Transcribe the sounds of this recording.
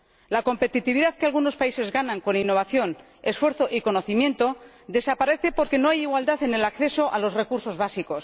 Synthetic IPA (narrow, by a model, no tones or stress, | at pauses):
lako̞mpe̞t̪it̪iβ̞iðaðkealɣuno̞spaise̞zɣanãŋko̞ninːo̞βaθjo̞n | e̞sfwe̞ɾθo̞ʔiko̞no̞θimjẽ̞nt̪o̞ | d̪e̞sapaɾe̞θe̞po̞ɾke̞no̞ajiɣwald̪aθe̞ne̞lakθe̞so̞ʔalo̞sre̞kuɾso̞zβasiko̞s